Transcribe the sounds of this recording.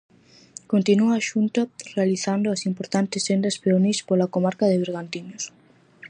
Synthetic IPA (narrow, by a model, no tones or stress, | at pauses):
kont̪inuaːʃunt̪ɐrealiθand̪ʊɐsimpoɾt̪ant̪ɪsend̪ɐspeonispolakomaɾkɐðɪβeɾɣant̪iɲos